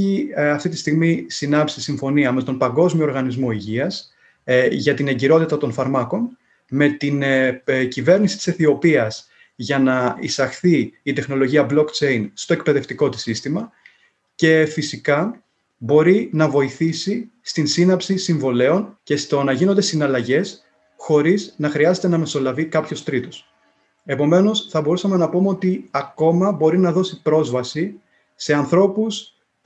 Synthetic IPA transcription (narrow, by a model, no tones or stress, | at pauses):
iɐft̪it̪ist̪iɣmisinɐpsisiɱfo̞niɐme̞t̪o̞npɐŋɡo̞zmioɾɣɐnizmo̞iʝiɐs | ʝɐt̪ine̞ɟiɾo̞t̪it̪ɐt̪o̞nfɐɾmɐko̞n | me̞t̪incive̞ɾnisit̪ise̞θio̞piɐs | ʝɐnɐḭsɐxθiːt̪e̞xno̞lo̞ʝiɐblo̞kt͡ʃe̞inst̪o̞e̞k̚pe̞ðe̞ft̪iko̞t̪i̥sist̪imɐ | ce̞fisikɐ | bo̞ɾinɐvo̞iθisi | st̪insinɐpsisiɱvo̞le̞o̞nce̞st̪o̞nɐʝino̞nd̪e̞sinɐlɐʝe̞s | xo̞ɾiznɐxɾiɐze̞t̪enɐme̞so̞lɐvikɐpço̞st̪ɾit̪o̞s | e̞po̞me̞no̞sθɐbo̞ɾusɐme̞nɐpomeo̞t̪iɐko̞mɐbo̞ɾinɐðo̞sipɾo̞zvɐsi | se̞ɐnθɾo̞pus